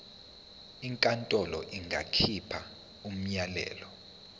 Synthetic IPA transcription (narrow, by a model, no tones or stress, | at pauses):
iŋkʼantʼɔlɔʔiŋɡʱa̰kʰipʰa | um̩ɲalɛ̰ːlɔ